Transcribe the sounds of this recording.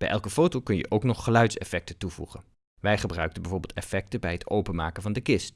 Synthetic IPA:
b̥ɛjʔɛlˠkəfowtowkɵnjə̰ʔowknɔχːəlœɥtsɛfɛk̚tətuvṵχən | ʋɛjχəbrœɥk̚tənbɛjvoːɹbɪːlˠtɛfɛk̚təbɛjɦətowpənma̰ːkənvɑndəkɪst

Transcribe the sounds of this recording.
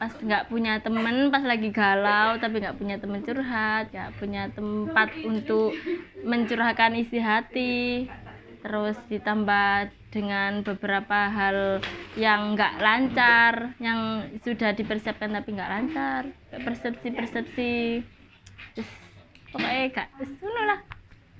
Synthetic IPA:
pasŋɡaʔpuɲat̪əmənpaslaɡiɡalawt̪ap̬iŋɡaʔpuɲat̪əmənt͡ʃuɾɦat̪̚ŋɡaʔpuɲat̪əmpat̪̚unt̪ʊkməɲt͡ʃuɾaɦkanist̪iɦat̪i | t̪əɾʊsd̥it̪ambad̥əŋanbəbəɾapaɦaljaŋːɡaʔlaɲt͡ʃarjaŋsud̥ahd̥ipərsiap̚kant̪apiŋɡaʔlaɲt͡ʃarkaʔpərsəp̚sipərsəp̚si | ʊspokaeɡaʔsunulah

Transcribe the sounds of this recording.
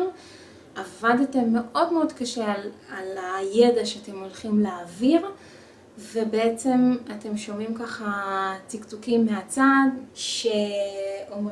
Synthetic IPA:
ʔavadate̞mːe̞ʔo̞dmeo̞dkaʃealalaje̞daʃeate̞mo̞lχimleːviʁ | vebeet͡se̞mate̞mʃo̞mimkaχatikt͡sukimːeat͡sadʃeom

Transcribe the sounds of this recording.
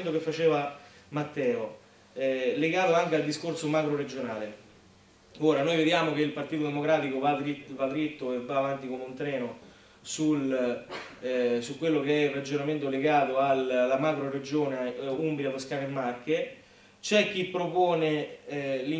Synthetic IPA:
nt̪̬okefːat͡ʃeːvamat̪ːɛːo | leɡaːt̪oaŋk̟eald̪iskorsomakɾoɾed͡ʒonaːle | oːɾanoːjved̪jaːmok̟eilpart̪iːt̪od̪emokɾaːt̪ikovad̪ɾivad̪ːɾit̪ːoevːaːvant̪ikomeunt̪ɾɛːno | sul | sukːwelːokeɛirːad͡ʒonament̪oleɡaːt̪oalːamakɾoɾed͡ʒoːneumbɾjaposkaːnemːarke | t͡ʃɛk̟ːipːɾopoːne | li

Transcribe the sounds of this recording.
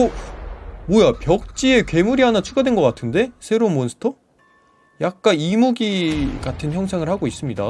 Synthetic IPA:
o | mwojapjʌk̚t͡ɕ͈ie̞kɥe̞muɾiɦanat͡ɕʰuɡadwe̞nɡʌk͈atʰɯnde̞sʰe̞ɾomonsʰɯ̥tʰʌ | jak̚k͈animuɡiɡatʰɯnçjʌŋsʰaŋɯɭhaɡois͈ɯmɲida

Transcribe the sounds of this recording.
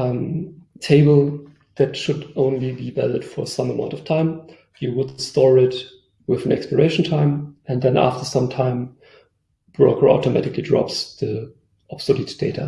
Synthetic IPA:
mtʰeɪbəl̩ˠ | ðætʃʊdʔõʊ̃nlibibæləd̥fɔ˞sʌ̃məmãʊ̃ntʌv̥tʰãɪ̃m | jɨwʊdstɔɹɪt | wɪðə̃n̩ɛ̰kspə˞eɪʃn̩tʰãɪ̃mɨ̃ndðɛ̃næ̰ftə˞sʌ̃mtʰãɪ̃m | b̥ɹoʊkʰə˞ɔ̰tomætɪklidɹɔ̰psðə | ʔɔpsolitd̥eɪtʰa̰

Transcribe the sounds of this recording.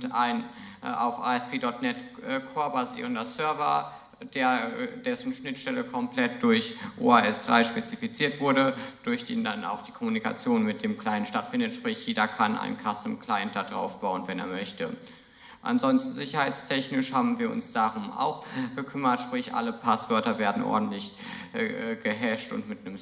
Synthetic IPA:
ta̰ɪnʔa̰ʊfʔa̰ːɛspʰeːdɔtnɛtːkʰoːɐbazḭːʁəndɐsœɐva̰ | d̥eːɐd̥ɛsn̩ʃnɪtʃtɛləkʰɔmpl̥ɛt̚d̥ʊɐçʔo̰ːaːɛsd̥ʁa̰ɪʃpet͡sifit͡siːɐtv̥ʊɐdəd̥ʊɐçd̥eːndana̰ʊxd̥iːkʰɔmunika̰t͡sjoːnmɪt̚d̥eːmkl̥aɪəntʃtatfɪndətʃpʁ̥ɪçjeːdɐkʰana̰ɪnkʰasəmkʰlaɪnt̚d̥ad̥ʁa̰ʊfb̥aʊənvɛnḛːɐmœçtə̰ | ʔa̰nzɔnstn̩zɪçɐhaɪt͡stʰɛçnɪʃhaːbm̩viːɐʔʊ̰nsd̥aʁʊmʔa̰ʊxɡ̥əkʰʏmɐtʃpʁ̥ɪçʔa̰ləpʰasv̥œɐtɐveːɐdn̩ʔɔ̰ɐdn̩tlɪç | ɡəɦɛʃtʊ̰ntmɪtnəm

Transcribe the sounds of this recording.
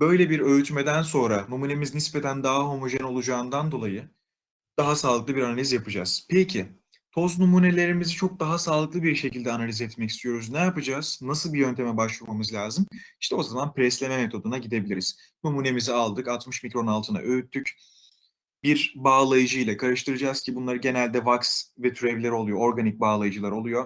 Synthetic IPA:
bø̞jlʲebiɾø̞yt̪me̞d̪ænso̞nɾanumune̞miznispe̞t̪ʰænd̪aɦaɦo̞mo̞ʒɛno̞lˠud͡ʒaːɯnd̪and̪o̞lˠajɯ | d̪̥aɦasaːlˠɯklˠɯbiɾanalʲizjapʰɯd͡ʒaz̥pʰecʰɪ | t̪ʰo̞znumune̞lʲe̞ɾimizit͡ʃʰo̞k̚d̪aɦasaːlˠɯklˠɯbiɾʃe̞cilʲd̪ɛanalʲizɛt̪mɛci̥st̪ʰijo̞ɾuznɛjapɯd͡ʒaːz̥nasɯlˠbijø̞nt̪ʰe̞mɛbaʃlˠɯmamɯzlʲaːzɯmiʃt̪ʰɛo̞zamanpɾɛslʲemɛme̞t̪ʰo̞d̪unaɟid̪e̞bilʲiɾiz̥ | numuːne̞mizialˠd̪ɯkat̪mɯʃmicɾo̞nalˠt̪ʰɯna̰ʔøyt̪ʰːyc | biɾbaːlˠajɯd͡ʒɯjlˠakʰaɾɯʃt̪ʰɯɾɯd͡ʒaːz̥cʰibunlˠaɾɯɟe̞nælʲd̪ɛvaksvɛt̪ʰyɾevlʲɛɾo̞lˠujo̞o̞ɾɡanic̚baːlˠajɯd͡ʒɯlˠaɾo̞lˠujo̞

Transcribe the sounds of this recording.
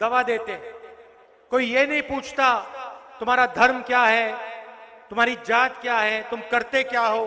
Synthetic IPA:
d̪ɐʋad̪eːt̪eɦɛ̃ | koːijenɐɦĩpuːt͡ʃʰt̪at̪ʊmɦaːɾad̪ʱɐɾmkjaːɦɛ | t̪ʊmɦaːɾid͡ʒaːt̪kjaːɦɛt̪ʊmkɐɾt̪ekjaːɦoː

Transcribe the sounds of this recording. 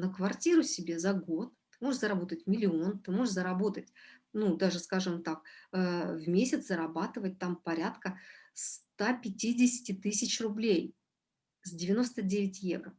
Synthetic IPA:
nəkvɐrtʲiɾʊsʲɪbʲe̞zɐɡo̞t̪̚t̪ɨmoʐɨʂzəɾɐbo̞t̪ətʲmʲɪlʲɪo̞nt̪ɨmo̞ʐɨʂzəɾɐbo̞t̪ətʲnud̪aʐɨskaʐɨmt̪ak̚əvmʲesʲɪt̪səɾɐbat̪ɨvət̚ʲt̪ampɐɾʲat̪kəst̪apʲɪtʲidʲɪsʲɪ̥tʲɪt̪ɨsʲɪt͡ɕrʊblʲej | zʲdʲɪvʲɪno̞st̪ədʲevʲɪtʲjḛvɾə

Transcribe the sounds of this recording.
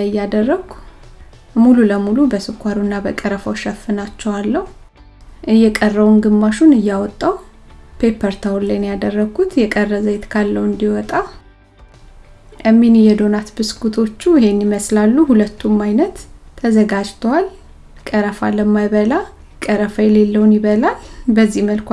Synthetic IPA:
ɨjːad̪ərːəɡ | mululəmulubəsɨkʰʷːaɾunːabəkʼəɾəfawʃɛfːɨnat͡ʃːɛwalːəhu | ʔɨjːɛkʼərːəwunɡɨmːaʃunɨjːawɔt̪ʼːaw | pʰe̞pʰəɾt̪ʰawlːajnjad̪ərːəɡut̪jɛkʼərːəzəjt̪kʰalːəwɨnd̪iwɔt̪ʼa | ʔəmːinjɛd̪onat̪bɨskʰut̪ʰo̞t͡ʃːuɪhe̞nːiməslalːuhulət̪ʰːumːajnət̪ʰːəzəɡad͡ʒt̪ʰəwal | kʼəɾəfa̰ləmːajβəla | kʼəɾəfajɛlelːəwunjɪβəlalbəzːihməlk

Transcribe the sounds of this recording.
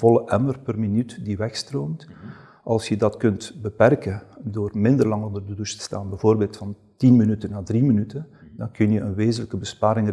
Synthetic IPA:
vɔləʔɛmərpərminytdiʋɛxstroːmt | ʔɑlˠsjədɑtkɵntbəpɛrkədoːrmɪndərlɑŋondərdəduʃtə̥staːnbɛvoːrbeːlˠtfɑntinminytənːaːdriminytəndɑŋkɵnjəʔənʋeːzənləkəbəspaːɾɪŋ

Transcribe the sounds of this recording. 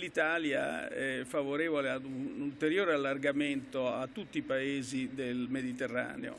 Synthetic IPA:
lit̪aːlja̰ɛfːavoɾeːvolead̪uult̪eɾjoːɾealːarɡament̪oat̪ːut̪ːipaeːzid̪elmed̪it̪erːa̰ːnḛo̰

